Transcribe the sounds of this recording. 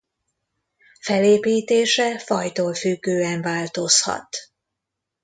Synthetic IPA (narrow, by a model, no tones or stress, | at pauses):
fɛleːpiːt̪eːʃɛfɒjt̪oːlfyɡːøːɛɱvaːlt̪o̞shɒ̰t̪